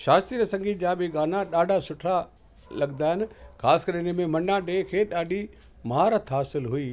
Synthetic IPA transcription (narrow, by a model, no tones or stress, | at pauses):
ʃaːst̪iɾəsɐ̃ŋɡid͡ʑaːbɪɡaːnaɗaːɖʱasʊʈʰa | lɐɠnd̪aːɦɪnɪ̆kʰaːskɐɾɪnəmẽmɐ̃nɖãɖeːkʰeːɗaːɖʱi | maːɾət̪ʰɦaːsɪlɦʊiː